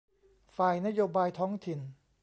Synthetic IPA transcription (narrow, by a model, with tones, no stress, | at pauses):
faː˨˩jna˦˥joː˧baː˧jt̪ʰɔː˦˥ŋt̪ʰi˨˩n